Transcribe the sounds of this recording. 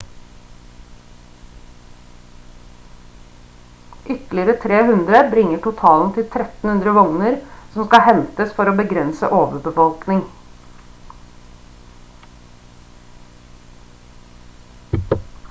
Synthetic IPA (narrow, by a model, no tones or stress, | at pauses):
ʔʏt̪lɪəɾət̪ʰɾeːhʉnd̪ɾəbɾɪŋəʈʊt̪ʰɑːln̩t̪ʰɪlt̪ʰɾɛt̪n̩hʉnd̪ɾəʋɔŋnəɾsɔmskɑhɛnt̪əsfɔɾoːbəɡɾɛnsə̰ʔoːʋəbəfɔlknɪŋ